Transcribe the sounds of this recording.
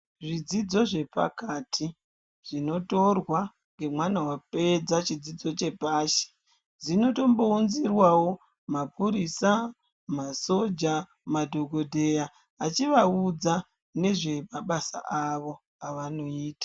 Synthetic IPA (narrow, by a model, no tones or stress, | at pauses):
ʐid͡zid͡zo̞ʐe̞pa̰katʰi | ʐ̥ino̞to̞rwa | ŋɡe̞mwanawape̞d͡zat͡ʃid͡zid͡zo̞t͡ʃe̞paːʃe̥ | zino̞to̞mbo̞unzirwawo̞ | mapʰuɾisa | maso̞d͡ʒa | madʱo̞ɡʱo̞dʱe̞jaː | t͡ʃiʋaud͡za | ne̞ʐe̞maɓasa̰ʔaʋo̞ | aʋano̞iːtḁ